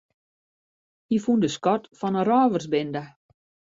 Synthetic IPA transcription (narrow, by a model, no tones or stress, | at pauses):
hifundəskɔtfɔnərɔːʋərsbɪndə